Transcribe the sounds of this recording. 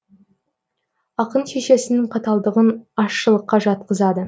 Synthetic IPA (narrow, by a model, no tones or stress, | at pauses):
ɑqənʃe̞ʃe̞sɪnɪŋqʰɑt̪ɑlˠd̪əʁənɑʃːəlˠəqːɑʒɑt̪̚qəzɑd̪ə